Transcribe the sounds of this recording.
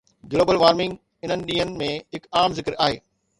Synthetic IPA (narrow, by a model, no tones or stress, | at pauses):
ɡloːbəlʋaːɾmɪ̃ŋɡ | ɪn̤ənɪ̆ɗĩːənɪ̆mẽɦɪkaːmzɪkəɾaːɦḛː